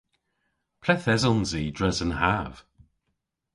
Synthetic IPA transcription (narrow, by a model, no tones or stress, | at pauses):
pʰl̥ɛθɛzɔnziːdɹɛzənhaːv̥